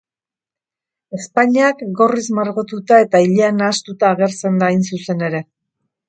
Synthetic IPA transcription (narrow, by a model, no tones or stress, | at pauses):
e̞spaɲiakɡo̞rizmaɾɣot̪ut̪ae̞t̪aiʎeanaːst̪ut̪aːɣ̞e̞ɾt͡se̞nd̪aːjnsuse̞ne̞ɾe̞